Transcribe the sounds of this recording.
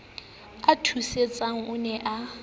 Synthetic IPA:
atʰuset͡sʼaŋ̩ʊnɛʔa

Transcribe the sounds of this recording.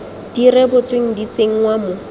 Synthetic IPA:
d̥irɛbʊt͡sweŋ̩dit͡seŋ̩ŋwamʊ

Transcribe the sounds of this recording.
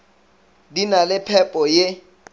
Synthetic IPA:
dinalɪpʰɛpʼɔje

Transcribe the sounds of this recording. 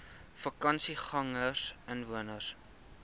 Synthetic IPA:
fɐkɐnsiχɐŋəsənvuənəs

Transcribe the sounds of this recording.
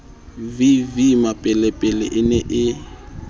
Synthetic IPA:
vivimapʼɛlɛpʼɛlɛʔɪnɛʔɪ

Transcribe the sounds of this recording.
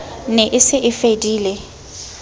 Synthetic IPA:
nɛʔɪsɪʔɪfediːle

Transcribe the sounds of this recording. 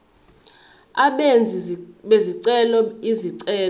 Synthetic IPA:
aɓend͡zʱiɓeziǀɛlɔiziǀɛːl

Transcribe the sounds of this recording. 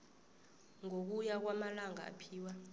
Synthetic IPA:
ŋok̬ujak̬wamalaŋa̰ːpʰiːwa

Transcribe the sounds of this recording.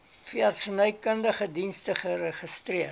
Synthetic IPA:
fiɐtsənœjkəndəχədinstəχərəχəstriə

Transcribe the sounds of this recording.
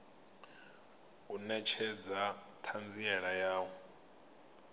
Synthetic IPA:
unɛt͡ʃʰɛd͡za | tʰand͡ziɛɺajaːwɔ

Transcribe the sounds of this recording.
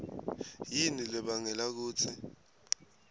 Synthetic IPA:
jinilɛɓaŋɛlak̬uːt͡sʰi

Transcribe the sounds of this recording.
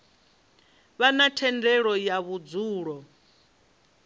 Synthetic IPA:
βanatʰɛndɛɺɔjaβud͡zuːɺɔ

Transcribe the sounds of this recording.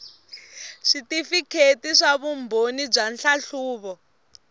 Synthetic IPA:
ʂitifikʰetiʂaβumbʱonib͡ʐanɬaɬuːβɔ

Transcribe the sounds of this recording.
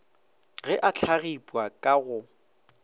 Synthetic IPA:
ɣɛʔat͡ɬʰaɣipʼwakʼaɣʊ

